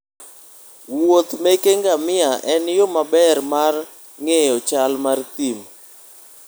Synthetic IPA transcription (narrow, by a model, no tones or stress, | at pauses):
wot̪mekeŋɡamɪaʔɛnjomabɛrmar | ŋejɔt͡ʃalmart̪im